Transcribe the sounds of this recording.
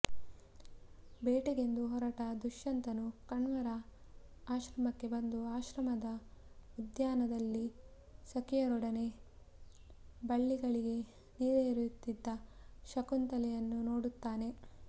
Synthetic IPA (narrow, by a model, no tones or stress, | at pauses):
beːʈeɡe̞nd̪uɦɔɾɐʈɐd̪uʃːɐnt̪ɐnukɐɳʋɐɾɐ | aːʃɾɐmɐkːe̞bɐnd̪uaːʃɾɐmɐd̪ɐ | ud̪jaːnɐd̪ɐlːi | sɐkijɐɾɔɽɐne̞ | bɐɭːiɡɐɭiɡe̞ | niːɾeɾut̪ːid̪ːɐʃɐkunt̪ɐlɛjɐnːuno̞ːɽut̪ːaːne̞